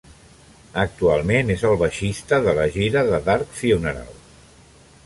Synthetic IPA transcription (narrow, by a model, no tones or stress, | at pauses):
ək̚t̪ualˠmenezəlˠβəʃist̪əðələʒiɾəðəðaɾkfiunəɾa̰lˠ